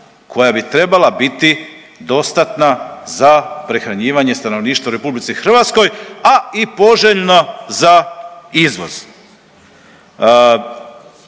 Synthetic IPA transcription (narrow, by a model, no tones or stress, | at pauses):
kʰo̞jabit̪ɾe̞balabit̪i | d̪o̞st̪at̪nazapɾe̞xɾaɲiːʋaɲe̞st̪ano̞ʋniːʃt̪ʋauɾe̞publit̪sixr̩ʋat̪sko̞jaipo̞ʒeʎnazaizʋo̞̰z̥